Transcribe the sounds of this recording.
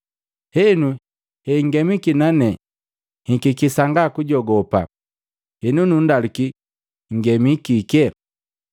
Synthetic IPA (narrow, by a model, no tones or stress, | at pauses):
hɛnu | hɛŋɡɛmikinanɛ | hikikisaŋɡakuɟɔɡɔpa̰ | hɛnunundaluki | ŋ̩ɡɛmikikɛ